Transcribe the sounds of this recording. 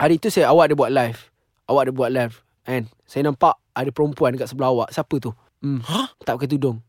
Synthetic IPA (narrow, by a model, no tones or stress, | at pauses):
aɾit̪usajawaʔ̚debuaʔ̚lajf | ʔawaʔdebuaʔ̚lajf | ɛ̃n | sajanãmpaʔ | adəpəɾɔmpuandəkaʔsəbəlahawaʔsapət̪u | mt̪ap̚kat̪̬udʊŋ